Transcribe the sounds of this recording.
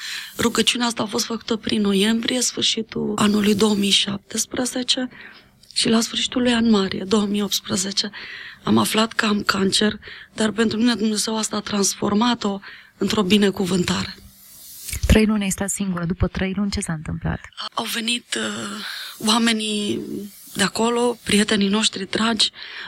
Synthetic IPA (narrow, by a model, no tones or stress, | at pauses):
ruɡət͡ʃiuneaas̬t̪aːfo̞s̬t̪fəku̥t̪əpɾinːo̞je̞mbɾije̞sfɨrʃit̪uanulujd̪o̞wəmijʃap̚t̪espɾəze̞t͡ʃe̞ | ʃilasfɨrʃi̥t̪ulujanmaɾḭjed̪o̞əmijo̞p̚t̪spɾəze̞t͡ʃe̞amaflat̪kəamkant͡ʃe̞rd̪arpe̞nt̪ɾumine̞d̪umne̞ze̞wast̪aːt̪ɾansfo̞̰rmat̪o̞ɨnt̪ɾo̞bine̞kuvɨnt̪aɾe̞ | t̪ɾəjlunʲast̪at̪siŋɡuɾəd̪upət̪ɾəjlunʲt͡ʃe̞saɨnt̪ɨmpla̰t̪awve̞nit̪ | wame̞ni | d̪eako̞lo̞pɾije̞t̪e̞nino̞ʃt̪ɾid̪ɾad͡ʒʲ